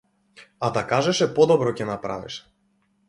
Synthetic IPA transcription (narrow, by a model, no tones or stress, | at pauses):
ad̪akaʒɛʃɛpɔd̪ɔbɾɔcɛnapɾa̰vḭʃɛ̥